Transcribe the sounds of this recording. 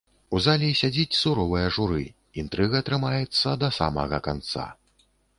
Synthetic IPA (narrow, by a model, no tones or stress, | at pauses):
uzalʲisʲad͡zʲit͡sʲsuɾɔvɨjɐʐuɾɨ̰ | int̪ɾɨɣɐt̪ɾɨmajɛt̪sːɐd̪ɐsa̰mɐ̰ɣɐ̰ka̰nt̪sa̰